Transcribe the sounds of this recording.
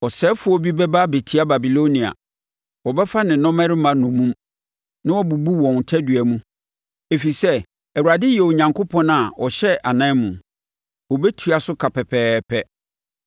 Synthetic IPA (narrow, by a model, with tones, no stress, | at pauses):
ɔ˨sɛː˦fʊ˨˦ɔ˦bi˦bɛ˦ba˦be˨tʰi˦a˦ba˨bi˨lo˦nĩ˨a̰˨ | wɔ˨bɛ˦fa˦nɪ̃˨nɔ̃˦mɛ̃˦ɾɪ˦mã˦nʊ̃˨mũ˦m | nã˦wɔ˦bu˨bu˦wɔ̃˨n˨tʰɛ˦dɥæ˨mũ˦ | e˨fi˨sɛ˦ | ɛ˨wu˨ɾa˨dɪ˦jɛ˨o˨ɲã˨ŋkʰʊ˦pʰɔ̃˦na˨ɔ˨ɕɛ˦ʔa˨nã˦mũ˨ | wɔ˨bɛ˦tʰu˨˦a˨sʊ˦kʰa˨pɛ˨pʰɛː˦pʰɛ˦